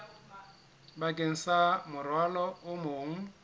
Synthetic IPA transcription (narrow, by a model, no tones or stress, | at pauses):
bakʼeŋ̩samʊrwalɔʊmoːŋ̩